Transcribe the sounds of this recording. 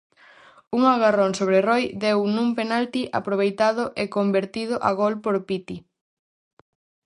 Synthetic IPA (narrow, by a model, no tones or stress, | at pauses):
uŋaɣaroŋsoβ̞ɾerojd̪ewnũmpenalt̪iʔapɾoβejt̪aðoʔekombeɾt̪ið̞oʔaɣolpoɾpit̪i